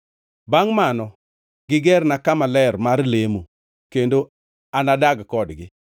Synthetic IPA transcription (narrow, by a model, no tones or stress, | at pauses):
baŋmanɔ | ɡ̥ɪɡɛrnakamalɛrmarlemu | kendo | anadaɡkɔdɡɪ